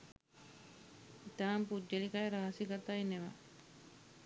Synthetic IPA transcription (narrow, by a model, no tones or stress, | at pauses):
it̪aːmpudːelikajɾaɦasikaɾt̪aːinːeʋa̰